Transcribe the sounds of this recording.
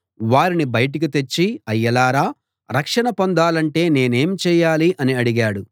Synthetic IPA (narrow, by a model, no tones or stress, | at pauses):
ʋaːɾinibɐjʈ̬ikit̪e̞t͡ʃːiɐjːɐlaːɾaː | ɾɐkʂɐɳɐpond̪aːlɐɳʈe̞ːne̞ːneːmt͡ʃɛːjaːliʔɐniɐɽiɡaːɽu